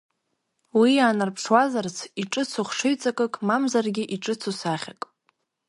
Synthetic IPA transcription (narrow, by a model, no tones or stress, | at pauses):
wiaːnarpʰʂwazart͡sʰiʈ͡ʂʼɨt͡sʰuχʂɨɥt͡sʼakʼɨkʼmamzarɡʲɪʔiʈ͡ʂʼɨt͡sʰusaχʲakʼ